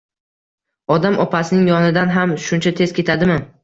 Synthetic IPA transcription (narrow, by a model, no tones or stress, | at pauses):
ɒd̪amɒpasɪnɪŋjɒnɪd̪anɦamʃʊnt͡ʃʰat̪ʰe̞z̥kʲʰe̞t̪ʰad̪ɪmɪ